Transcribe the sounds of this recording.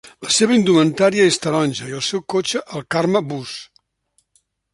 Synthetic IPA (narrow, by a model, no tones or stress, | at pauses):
ləseβ̞əind̪umənt̪aɾiəest̪əɾɔnʲʒəiəlˠsɛwkot͡ʃəʔəlˠkarməbus